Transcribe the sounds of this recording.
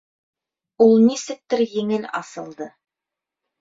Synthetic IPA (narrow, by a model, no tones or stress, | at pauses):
ulˠnisɘ̆k̚t̪ɘɾjɘ̆ŋɘlɑsɤ̆lˠd̪ɤ